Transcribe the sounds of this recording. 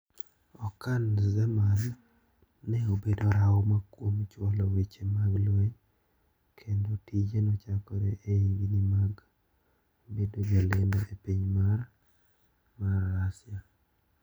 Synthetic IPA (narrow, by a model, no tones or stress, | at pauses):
ɔkanzɛmanː | ɛobedoɾawɔmakwomt͡ʃwɔlɔwet͡ʃemaɡlweɲ | kʰendotid͡ʒenɔt͡ʃakɔɾɛeiɡinimaɡ | bedod͡ʒalendɔʔepiɲmaɾ | marasja